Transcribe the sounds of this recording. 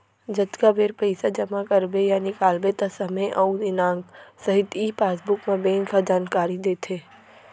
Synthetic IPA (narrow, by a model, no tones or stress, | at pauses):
d͡ʒɐt̪ɡabeːɾpəɪsad͡ʒɐmakɐɾbejanɪkaːlbet̪ɐsɐməjʔɐud̪ɪnãːŋɡsɐɦɪt̪iːpaːsbʊkmãbẽːŋkad͡ʒaːnkaːɾid̪eːt̪ʰeː